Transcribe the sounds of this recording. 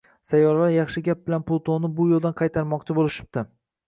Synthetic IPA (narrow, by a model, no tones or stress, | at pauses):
sajːɒɾlaɾjɑχʃɪɡʲap̚bɪlanpʰʊlˠt̪ʰonɪbʊjolˠd̪anqʰɑjt̪ʰaɾmɒqt͡ʃʰɪbolɪʃɪ̥p̚d̪̥ɪ